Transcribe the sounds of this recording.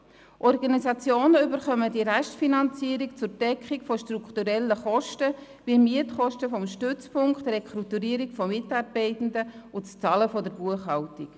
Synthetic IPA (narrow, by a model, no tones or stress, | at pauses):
ʔɔɾɡɑnisɑt͡sjoːnəʏbəɾχœmədiɾæʃtfinɑnt͡siəɾikt͡sʊɾd̥ɛkχikfɔʃtrukχtuɾɛlːəχɔʃtə | viəmiətχɔʃtəfɔmʃtʏt͡spʰʊŋkχtrekχɾut̪uɾiəɾikfɔmɪtɑːrbɛɪtən̩dəʊtt͡st͡sɑːləfɔdəɾbuəχhɑltik